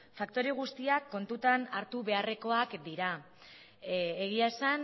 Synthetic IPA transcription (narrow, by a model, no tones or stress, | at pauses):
fakt̪o̞ɾeɣ̞ust̪iakːo̞nt̪ut̪anaɾt̪uβe̞are̞ko̞akd̪iɾa | eɣ̞iaesan